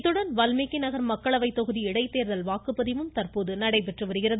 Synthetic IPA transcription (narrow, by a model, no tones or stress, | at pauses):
t̪ːɯɽɐnʋɐlmeːkːɪnɐɣɐɾmɐkːɐɭɐʋɐɪt̪ːɔɣɯðiɪɽɐɪt̪ːeːɾðɐlʋaːkɯpːɐðɪʋɯmt̪ɐɾpoːðɯnɐɽɐɪpɛʈrɯʋɐɾɯɣɪrɐðɯ